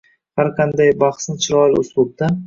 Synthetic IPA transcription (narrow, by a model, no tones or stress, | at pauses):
haɾqʰɑnd̪ajbɑχsnɪt͡ʃʰɪɾɒjlɪʊslˠʊb̚d̪a